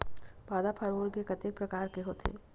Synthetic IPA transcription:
baːd̪apʰaːɾoːlkekɐt̪eːk̚pɾɐkaːɾkeɦoːt̪ʰḛː

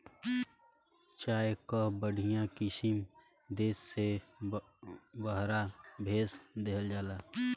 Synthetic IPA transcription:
t͡ʃaːekəɦbəɽ̤ʱijãkɪsɪm | d̪eːsːe | bəɦɾabʱeːsd̪eɦəld͡ʒaːlaː

